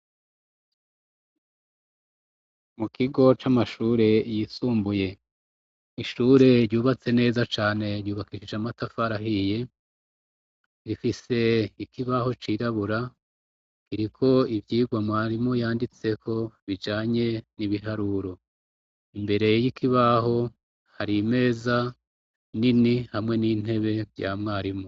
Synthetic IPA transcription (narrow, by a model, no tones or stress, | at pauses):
mukʰiɡo̞t͡ʃamaʃuːɾe̞jisuːmbuje̞ | iʃuːɾe̞ɾuːβat͡se̞ne̞ːzat͡ʃaːne̞ɾjuːβakiʃid͡ʒamatafaɾaɦije̞ | ɾifise̞ikiβaho̞t͡ʃiɾaβuɾa | kiɾikʰo̞ivjiːɡwamŋaːɾimojaːndit͡se̞kʰo̞βid͡ʒaːɲe̞niβiɦaɾuɾo̞ | imbe̞ɾe̞jikʰiβaɦo̞ | haɾime̞ːza | ninihamŋe̞niːn̥he̞βe̞vja̰ːmŋaːɾimo